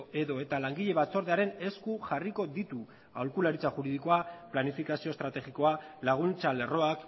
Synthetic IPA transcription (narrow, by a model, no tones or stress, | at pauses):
e̞ðo̞e̞t̪alaŋɡiʎe̞βat͡so̞ɾð̞e̞aɾe̞ne̞skuʝariko̞ðit̪u | a̰wlkulaɾit͡saʝuɾið̞iko̞aplanifikasiost̪ɾat̪e̞ɣiko̞alaɣ̞unt͡sale̞ro̞ak